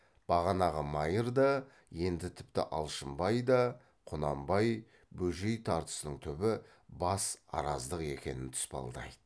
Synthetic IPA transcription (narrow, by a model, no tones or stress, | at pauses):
b̥ɑʁɑnɑʁəmɑjəɾd̪ɑ | je̞nd̪ɪt̪ʰɪ̥p̚t̪ɪ̰ʔɑ̰lˠʃəmbɑjd̪ɑ | qʰʊnɑmbɑj | bɵʒejt̪ʰɑɾt̪ə̥sənəɴt̪ʰʏbɪ | bɑsɑ̰ɾɑzd̪əqe̞kʲe̞̰nɪnt̪ʰʏ̥spɑ̰lˠd̪ɑ̰jd̪ə